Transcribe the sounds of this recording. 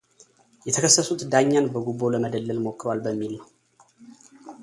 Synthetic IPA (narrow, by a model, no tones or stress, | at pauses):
jɛt̪ʰəkʰəsːəsut̪d̪aɲːanbəɡubo̞ləməd̪əlːəlmo̞kːɾwalbəmːilnəw